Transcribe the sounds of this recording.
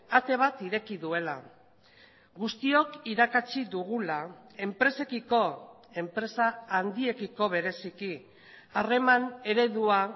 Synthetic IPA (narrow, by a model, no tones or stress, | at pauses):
at̪e̞β̞at̪iɾe̞kiðue̞la | ɣust̪io̞kiɾakat͡ʃiðuɣ̞ulae̞mpɾe̞se̞kiko̞ | e̞mpɾe̞saːnd̪ie̞kiko̞β̞e̞ɾe̞siki | are̞mane̞ɾe̞ðua